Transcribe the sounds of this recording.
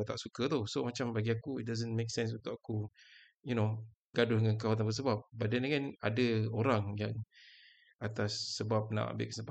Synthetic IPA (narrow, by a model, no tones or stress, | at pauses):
t̪aʔsukət̪osomat͡ʃambaɡiakuit̚dazənmeksɛ̃ns̬ũnt̪ʊkaku | juno | ɡadʊhŋankawat̪̬anbəs̬əbap̚badanaŋana̰dəoɾaŋjaŋ | at̪asːəbap̚na̰ʔa̰mbɪ̰ʔkəsəba